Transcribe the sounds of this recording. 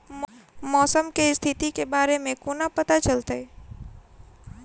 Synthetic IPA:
mmɔːsəmkest̪ʰit̪ikebaɾemẽkonapət̪at͡ʃəlt̪əj

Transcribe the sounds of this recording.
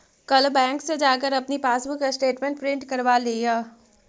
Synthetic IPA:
kɐlbɛ̃ːŋksed͡ʒaːk̬əɾɐpnipaːsbəkasʈeːʈmẽɳʈ̚pɾɪ̃ɳʈkɐɾʋaleːjaː

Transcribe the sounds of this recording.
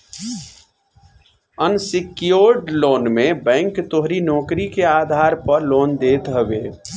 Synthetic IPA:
ənsɪkjoːɾɖloːnmẽbɛ̃ːŋkt̪oɦɾinɔːkɾikeaːd̪ʱaːɾpəɾloːnd̪eːt̪ɦəbeː

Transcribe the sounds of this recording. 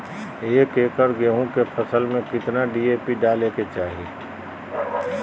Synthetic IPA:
eːkeːkəɾɡeːɦõkepʰəsəlmẽkɪt̪naɖiːeːpiɖaːleket͡ʃaːɦieː

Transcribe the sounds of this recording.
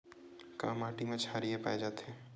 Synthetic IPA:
ka̰ːmaːʈimẽt͡ʃʰaɾiepa̰ːed͡ʒaːt̪eɦɛ̃

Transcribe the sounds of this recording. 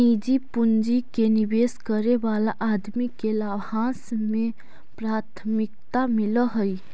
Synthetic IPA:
id͡ʒipund͡ʒikenibeːskəɾebaːlaʔaːd̪mikelabhãːsmẽ | pɾaːt̪ʰmɪk̚t̪amɪləɦəi

